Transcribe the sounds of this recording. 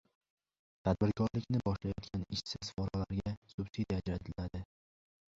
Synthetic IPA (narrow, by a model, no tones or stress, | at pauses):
t̪ʰad̪̚bɪɾkʰɒɾlɪkʲnɪbɒʃlajɒt̪̚kʲʰanɪʃsɪzfɒɾalaɾɡʲasʊbsid̪iad͡ʒɾat̪ʰɪlad̪ɪ